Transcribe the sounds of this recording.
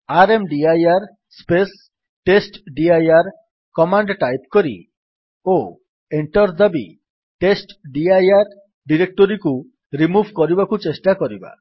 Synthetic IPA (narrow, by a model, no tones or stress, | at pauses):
aɾemɖiajaɾ | spes | ʈesʈɖiajaɾ | kɔmaɳɖʈajp̚kɔɾḭ | o | eɳʈɔɾd̪abi | ʈesʈɖiajaɾ | ɖiɾek̚ʈɔɾiku | ɾimubʱkɔɾibakut͡ʃesʈakɔɾiba̰